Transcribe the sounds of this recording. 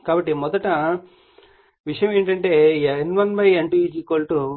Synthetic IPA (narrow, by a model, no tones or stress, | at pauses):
kaːbɐʈːimɔd̪ɐʈɐ | ʋiʂɐjɐ̃me̞ːɳʈɐɳʈe̞ːenʋɐnbɐjeɳʈiiːd͡ʒiːkoːlʈu